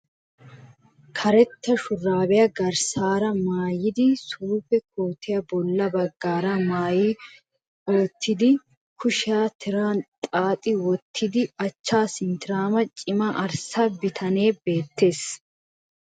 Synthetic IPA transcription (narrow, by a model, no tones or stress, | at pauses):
kʰɐɾɛt̪ːɐʃʊrːaːbɛjɐɡɐɾsaːɾɐmaːjɪd̪ɪsuːfɛkʰoːt̪ʰɪjɐbɔlːɐbɐɡːaːɾɐmaːjɪ | oːt̪ʰːɪd̪ɪ | kʰʊʃaːt̪ʰɪɾaːnt̪ʼaːt̪ʼɪwɔt̪ʰːɪd̪ɪɐt͡ʃːaːsɪnt̪ɪɾaːmɐt͡ʃʼɪmɐʔɐɾsɐbɪt̪ʰɐneːbeːt̪ʰːe̞ːs